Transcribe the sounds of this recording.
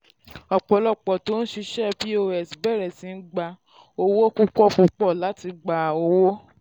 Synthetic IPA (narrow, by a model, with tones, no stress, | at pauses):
ɔ˨k͡pɔ˨˦lɔ˦˨k͡pɔ˨to˨˦n̩˦ʃi˧ʃɛ˦bi˦o˧ɛ˨si˨bɛ˦˨ɾɛ˨sĩ˨˦n̩˦ɡ͡ba˧ | o˧wo˦ku˦kɔ˦fũ˧k͡pɔ˦˨la˨˦ti˧ɡ͡ba˧˨o˧wo˦